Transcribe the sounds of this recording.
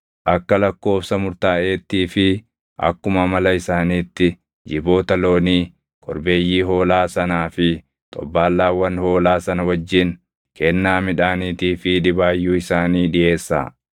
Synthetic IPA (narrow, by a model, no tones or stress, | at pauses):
ʔɐkːɐlɐkːo̞ːfsɐmʊɾt̪aːʔe̞ːt̪ːiːfɪ | ʔɐ̰kːʊmɐmɐlɐɪsaːniːt̪ːɪ | d͡ʒɪbo̞ːt̪ɐlo̞ːniː | kʼɔ̰ɾbe̞ːjːiːɦo̞ːlaːsɐnaːfɪ | t̪ʼɔ̰bːaːlːaːwɐnho̞ːlaːsɐnɐwɐd͡ʒːɪn | kʰɛnːaːmɪᶑaːniːt̪iːfɪᶑɪbaːjːuːɪsaːniːᶑɪʔe̞ːsːa̰ː